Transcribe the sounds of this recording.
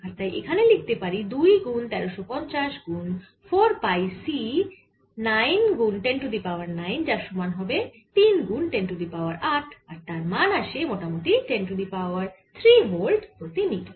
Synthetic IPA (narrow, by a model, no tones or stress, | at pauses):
aɾt̪ajʔḛkʰanelik̚t̪epaɾid̪ujɡunt̪ɛɾoʃopɔnt͡ɕaʃɡun | fʰoɾpajsi | najnɡunʈeɳʈud̪ipaoaɾnajnd͡ʑaɾʃumanɦɔbe | t̪inɡunʈenʈud̪ipawaɾaʈʰaɾt̪aɾmanaʃemoʈamoʈiʈenʈud̪ipaoaɾt̪ʰɾimolɖpɾot̪ini